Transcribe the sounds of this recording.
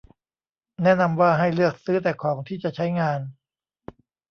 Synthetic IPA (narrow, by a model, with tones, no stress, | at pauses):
nɛ˥˩˨na˧mwaː˥˩ɦa˥˩jlɯ˥˩ək̚sɯː˦˥t̪ɛː˨˩kʰɔː˩˦ŋt̪ʰiː˥˩t͡ɕa˨˩t͡ɕʰa˦˥jŋaː˧n